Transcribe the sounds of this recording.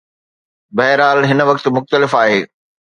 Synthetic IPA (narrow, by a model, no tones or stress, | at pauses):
bɐɦɪɾaːlɦɪnəʋɐkt̪mʊxt̪əlɪfaːɦeː